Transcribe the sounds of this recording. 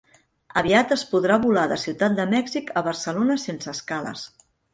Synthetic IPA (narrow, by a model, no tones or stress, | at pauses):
əβiat̪əspuðɾaβulaðəsiwt̪at̪̚d̪əmɛɡzikəβərsəlonəsensəːskalə̰s